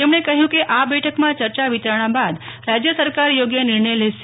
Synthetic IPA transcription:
t̪emɳ̃ekəɦjũkeʔabɛʈʰəkmãt͡ʃəɾt͡ʃaʋit̪ɾaɽ̃ãbad̪ | ɾad͡ʒjəsəɾkaɾjoɡjənɪɾɳəjleʃ

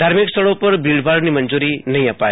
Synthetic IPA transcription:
d̪ʱaːɾmikst̪əɽõpɐɾbʱiɭɖbʱaːɽnimənd͡ʒuɾinɐɦĩəpaːe

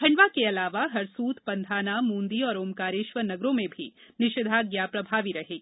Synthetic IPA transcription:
bʰʱɐ̃ɳɖʋakeɐlaːʋaɦɐɾsuːt̪ʰpɐ̃nd̪ʱaːnamũːnd̪iɔːɾoːmkaːɾɪʃʋənɐɡɾõmẽbʱinɪʃɪd̪ʱaɡjaːpɾɐbʱaːʋiɾɐɦeː

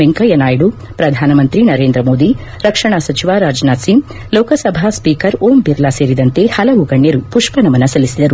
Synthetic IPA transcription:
eŋkɐjɐnaːjɐɽu | pɾɐd̪ʱaːnɐmɐnt̪ɾinɐɾeːnd̪ɾɐmoːd̪i | ɾɐkʂɐɳ̃asɐt͡ʃiʋaːɾaːd͡ʒnaːt̪sim | lɔːkɐsɐbʱaːspiːkɐɾoːmbiɾlaseːɾid̪ɐnt̪ehɐlɐʋuɡɐɳːjɐɾupuʂpɐnɐmɐnːɐsɐlisid̪ɐɾu

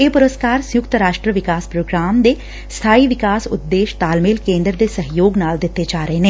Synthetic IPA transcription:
eːpʊɾəskaːɾsjʊkt̪ɾaːʃʈɾəʋɪkaːspɾoːɡɾaːmd̪eː | st̪ʰaːiʋɪkaːsʊ̰t̪ːeːʃt̪aːlmɪːlkẽːnd̪ɾəd̪eːsəɦjoːɡnaːld̪ɪt̪ːed͡ʒaːɾəɦenẽː

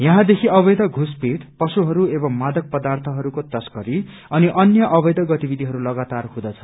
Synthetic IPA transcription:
jʌɦãd̪ekʰiʌbʌjd̪ʌɡʱuspeʈpʌsuɦʌɾuebʌmːad̪ʌk̚pʌd̪art̪ʰʌɦʌɾukot̪ʌskʌɾi | ʌniʔʌnjʌʔʌbʌjd̪ʌɡʌt̪ibid̪ʱiɦʌɾulʌɡat̪arhũd̪ʌt͡sʰʌ̥

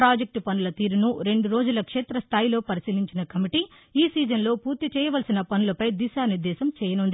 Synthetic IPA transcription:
ɾaːd͡ʒek̚ʈpɐnulɐt̪iːɾunuɾe̞ɳɖuɾo̞ːd͡ʒulɐkʂeːt̪ɾɐst̪ʰaːjlo̞ːpɐɾisiliɲt͡ʃinɐkɐmiʈiː | iːsiːd͡ʒɐnlo̞ːpuːɾt̪it͡ʃɛːjɐʋɐlsinɐpɐnulɐpɐjd̪isaːniɾd̪ɛːsɐmt͡ʃɛːjɐnund̪i

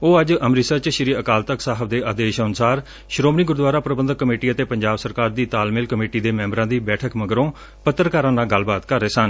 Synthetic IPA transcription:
oːəd͡ʒəmɾɪsəɾt͡ʃʃəɾiːəkaːlt̪əksaːɦəbd̪eːaːd̪eːʃənsaːɾ | ʃɾoːmniːɡʊɾd̪ʋaːɾaːpɾəbənd̪əkːəmeːʈiːət̪eːpəɲd͡ʒaːbsəɾkaːɾd̪iːt̪aːlmɪlkəmeːʈiːd̪eːmɛ̃ːmbɾãːd̪iːbɛːʈʰəkməɡɾõː | pət̪ːəɾkaːɾãːnaːɡəlbaːt̪kəɾːeːsən

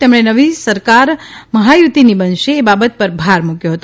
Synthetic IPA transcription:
t̪emɳ̃enəʋisəɾkaɾməɦajut̪inibənʃeːbabət̪̚pəɾbʱaɾmukjoɦət̪o

